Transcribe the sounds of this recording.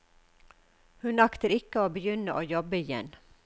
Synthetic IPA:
hʉnɑkt̪əɾɪkəoːbəjʏnəʔoːjɔbəɪjɛ̰n

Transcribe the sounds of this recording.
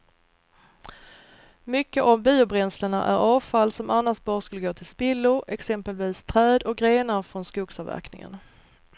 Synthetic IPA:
mʏkːəʔavbiːʊbɾɛnsləɳa̰ʔæ̰ɾʔɑːvfalːsɔmʔanːaʂt̪̚bɑːɾəskɵlːəɡoːt̪ʰɪlspɪlːʊɾɛksɛmpəlviːst̪ʰɾɛːd̪ɔk̚ɡɾeːnaɾfɾɔnskuːɡsɑvæ̰ɾknɪ̰ŋə̰n

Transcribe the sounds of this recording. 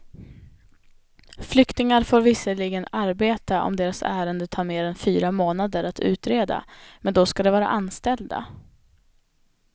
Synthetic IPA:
flʏkt̪ɪŋaɾfoːɾvɪsəɭɪɡənaɾbeːt̪aʔɔ̰md̪eːɾasæ̰ːɾənd̪ət̪ʰɑːɾmeːɾɛnfyːɾamoːnad̪əɾat̪ʰʉ̟ːt̪ɾeːd̪a̰mɛnd̪ɔskad̪ɛvɑːɾa̰ʔanːst̪ɛld̪a̰

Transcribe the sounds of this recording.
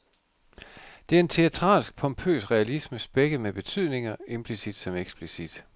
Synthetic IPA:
d̥e̝æɐe̝nt͡sʰe̝æt͡sʰʁɑ̰̈ːlsɡ̥̚pʰɒ̽mpʰø̰ːsʁɛælisməsb̥eɡ̥əmeb̥e̝t͡sʰyð̰ˠne̝ŋɐe̝mb̥ʰlisid̥sɒ̽meɡ̥sb̥lisid̥

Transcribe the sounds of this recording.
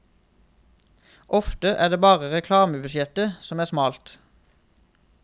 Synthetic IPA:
ʔɔft̪əʔæ̰ːd̪eːbɑːʁəʁɛkʰlɑːməbʉsjɛt̪əsɔmæːʁsmɑːlt̪

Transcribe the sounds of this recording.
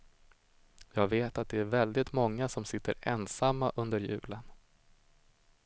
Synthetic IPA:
jɑːɡveːt̪at̪̚d̪ɛæɾvɛld̪ɪt̪mɔŋːasɔmsɪt̪ːəɾɛnsamːaʔɵnd̪əɾjʉ̟ːlən

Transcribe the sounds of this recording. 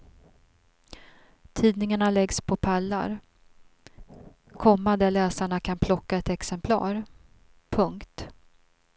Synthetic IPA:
t̪ʰiːd̪nɪŋaɳalɛɡspʰɔpʰalːa̰ɾ | kʰɔmːad̪əlɛːsaɳakʰanpʰlɔkːaɛt̪ɛksɛmpʰlɑ̰ːɾ | pʰɵŋkt̪

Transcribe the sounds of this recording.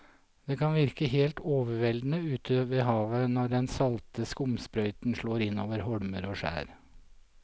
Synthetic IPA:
d̪̥eːkʰɑnʋɪɾkəɦeːlt̪oːʋəʋɛld̪n̩əʉːt̪ʰəʋeːɦɑːʋənɔɖɛnsɑlt̪əskʊmspɾœʏt̪n̩ʂɭoːɾɪnoːʋəɾɦɔɽməɾoːʂæ̰ːɾ

